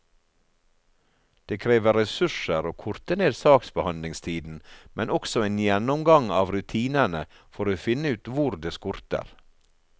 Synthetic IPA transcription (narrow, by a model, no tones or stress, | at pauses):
d̪̥eːkʰɾeːʋəɾɛsʉʂəɾoːkʰʊɾt̪əneːd̪sɑːksbəhɑnlɪŋst̪ʰiːd̪n̩mɛnʔɔksɔeːnjɛnɔmɡɑŋɑːʋɾʉt̪ʰiːnəɳə | fɔɾoːfɪnəʉːt̪ʋʊɾd̪eːskʊɾt̪ə̰ɾ